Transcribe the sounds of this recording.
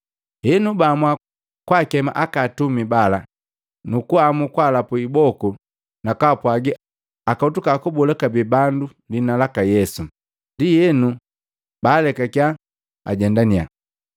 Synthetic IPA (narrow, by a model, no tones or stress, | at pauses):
hɛnubamwa | kwakɛma̰ʔakatumibala | nukuamukwalapuibɔku | nakapwaɡi | akautukakubɔlɛkabibandu | linalakajɛsu | ndijɛnu | baːlɛkakja | a̰ɟɛndania̰